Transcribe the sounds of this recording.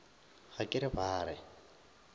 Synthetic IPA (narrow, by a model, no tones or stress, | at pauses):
ɣakʼɪɾɪbaːɾɪ